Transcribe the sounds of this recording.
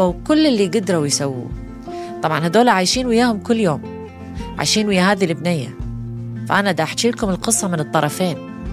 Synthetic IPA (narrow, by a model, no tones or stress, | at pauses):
awkʊlːɪlːiɡɪd̪ɾˤawjsawːṵː | t̪ˤɑbʕɑnhad̪oːlaʕajʃiːnwɪjaːhʊmkʊlːjoːm | ʕa̰jʃiːnwɪjːaɦaːðilʔɪbnɪjːa̰ | fa̰ʔanad̪ʔaħt͡ʃiːlkʊmɪlqɨsˤːɑmɪnɨt̪ˤːɑɾˤɑfeːn